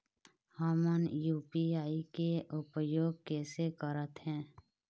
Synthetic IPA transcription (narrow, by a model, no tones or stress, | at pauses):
həmənjuːpiaːikeʔʊpəjoːɡ̚kɛːsekəɾət̪ɦɛ̃ː